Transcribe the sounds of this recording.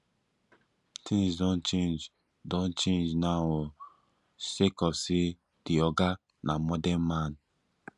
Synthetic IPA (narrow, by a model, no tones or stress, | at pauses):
tʰĩŋsdɔ̃nt͡ʃẽnd͡ʒ | dõnt͡ʃẽnd͡ʒnao | sekɔfsi | d̥iɔɡa | nʔamɔdɛ̃nmãn